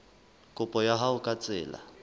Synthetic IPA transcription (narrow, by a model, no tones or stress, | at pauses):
kʼʊpʼɔjaɦaʊkʼat͡sʼɪ̰ːla̰